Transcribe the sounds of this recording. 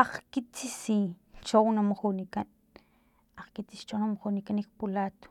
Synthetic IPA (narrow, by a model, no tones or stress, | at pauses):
aχkit͡sisit͡ʃownamaχunikan | aχkit͡siʃt͡ʃonamaχunikanikpulaːt̪o̥